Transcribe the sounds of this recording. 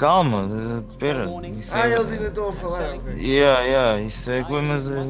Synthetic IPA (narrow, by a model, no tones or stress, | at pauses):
kalˠmɐpɛɾɐ | isɛelˠzɐĩnd̪ɐt̪ɐ̃w̃ɐfɐlˠaɾkɛjɛisɛkẽmɐzɛ